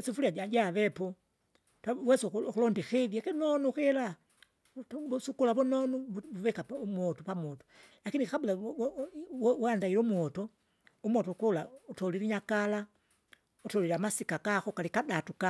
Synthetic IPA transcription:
ɛsifuliaaɟaʋɛpɔ | tawɛsɔkulɔndixɛðjakɛnɔnuxɛla | busukulaβɔnɔnuuvɛkapumɔtɔpamɔtɔ̥ | lakinixabula | wandaiɾumuɔtɔ | umwɔtɔkɔlautɔliɾiɲakala | utɔliɾamasikakaxɔkalikadatuka

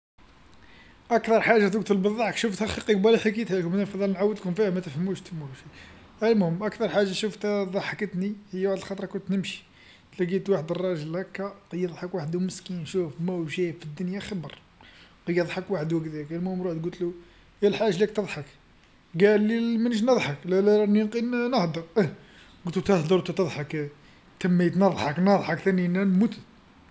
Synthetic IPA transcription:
ʔækt̪ɑɾˤħaʒːat̪̬ɡ̚t̪əlbəðˤːɑħəkʃuft̪hæxiqikbæliħikit̪hælkʊmnæfd̪ˤɑlnʕawːəd̪lkʊmfihæmæt̪əfhəmːuʃt̪muʃæ | ʔælmhʊmʔækt̪ɑɾˤħaʒːaʃuft̪d̪ˤɑħəkət̪nihəjːwaħd̪əlxɑt̪ˤɾˤɑkʊnt̪nəmʃi̥ | t̪læɡit̪waħəd̪ərˤːɑʒəlhækːæqjəd̪ˤħəkwaħəd̪uməskinʃufmæwʒæfid̪ːʊnjaxɑbəɾˤ | qɑjːəd̪ˤħəkwaħəd̪wæɡt̪ækælmumɾuħd̪ɡʊlt̪lu | jælħaʒlæk̚t̪əd̪ˤħək | ɡælːimænəʒnəd̪ˤħəklælæɾɑnjnqinnəhd̪əɾ | ɡʊlt̪ut̪əhd̪əɾt̪ut̪əd̪ˤħək | t̪əmːit̪nəd̪ˤħəknɑd̪ˤħəkt̪æninænmut̪

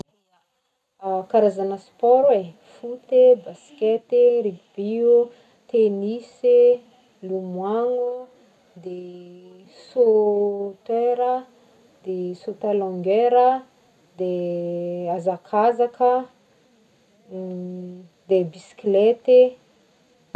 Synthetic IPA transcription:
d̪ | kaɾazanəspɔɾwe | fut̪ebaskʲet̪eɾib̥iu | t̪enise | lumwaŋu | d̪e | so | t̪eɾə | d̪esot̪alɔ̃ŋɡeɾə | d̪e | azakʰazakə | d̪ebisi̥klet̪e

